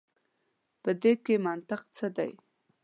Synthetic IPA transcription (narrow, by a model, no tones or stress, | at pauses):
pəd̪ekemant̪ɪqt͡səd̪a̰j